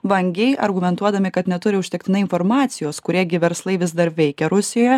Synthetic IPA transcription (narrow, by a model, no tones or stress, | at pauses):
ʋɐŋʲɡʲɛɪʔɐ̰ɾɡʊmʲɛnt̪uɔd̪ɐmʲɪkɐt̪nʲɛt̪ʊɾʲɪʊʃʲt̪ʲɛk̚t̪ʲɪnɐɪnfoɾmɑːt̪sʲɪjoːskʊɾʲiɛɡʲɪʋʲɛɾslˠɐɪʋʲɪzd̪ɐɾʋʲɛɪkʲɛɾʊsʲɪjoːjɛ